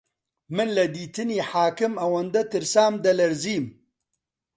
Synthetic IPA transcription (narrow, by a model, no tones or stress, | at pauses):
mɨnlɐd̪iːt̪ɨniːħaːkɪmɐwɐnd̪ɐt̪ɨɾsaːmd̪ɐlɐɾziːm